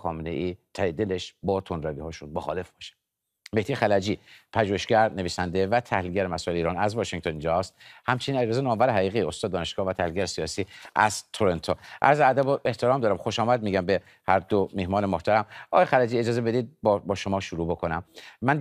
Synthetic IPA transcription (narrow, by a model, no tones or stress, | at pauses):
xɒːmenḛʔiːt̪ʰæed̪e̞leʃbɒːt̪ʰonɾæviːhɒːʃud̪̚moxɒ̰ːle̞fb̥ɒːʃe̥ | meht̪ijexælæd͡ʒiːpʰæʒuːheʃɡæɾne̞viːsænd̪evæt̪ʰæ̰hliːlɟæɾemæsɔːe̞leiːɾɒːnæzvɒːʃeŋɡ̚t̪ʰonind͡ʒɒst̪hæmt͡ʃʰenineɾɾezenɒːmvæɾeɦæɣiːɣiːo̞st̪ɒːd̪ːɒːne̞ʃɡ̥ɒːhvæt̪ʰæhlilɟæɾesijɒːsiːʔæ̰z̥t̪ʰoɾent̪ʰoʔæɾzeæd̪æboʔeht̪ʰeɾɒːmd̪ɒːɾæmxoʃɒːmæd̪̚miːɟæmbe | hæɾd̪omehmɒːnemoht̪ʰæɾæmʔɒ̰ːɣjexælæd͡ʒiːe̞d͡ʒɒːzebe̞d̪iːd̪̚bɒbɒːʃomɒːʃuɾuːbo̞kʰonæmːæn